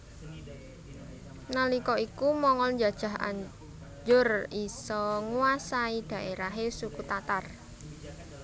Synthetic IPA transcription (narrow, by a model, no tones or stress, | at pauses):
nalikɔikumɔŋɔlɲd͡ʒa̤d̥ʒ̥a̤ɦa̰ɲ | d͡ʒʊrisɔŋuasaid̪̥a̤ʔeɾaɦesukut̪at̪ar